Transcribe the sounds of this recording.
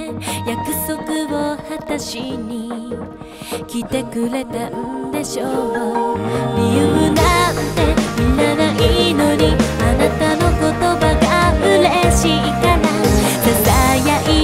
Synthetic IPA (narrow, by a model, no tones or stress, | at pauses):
jakɯ̟so̞kɯ̟ohat̪aɕiɲ̟i | kʲit̪e̞kɯɾe̞t̪aɯnd̪e̞ɕooɾʲijɯmɯnant̪e̞mʲĩnːanaʔinoɲianat̪ano̞ko̞t̪o̞baɡabɯɾeɕiikanasazajaʔi